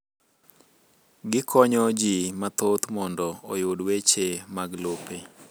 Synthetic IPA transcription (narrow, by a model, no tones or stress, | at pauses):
ɡɪkʰɔɲɔd͡ʒimat̪ot̪mɔndɔojodwet͡ʃemaɡlope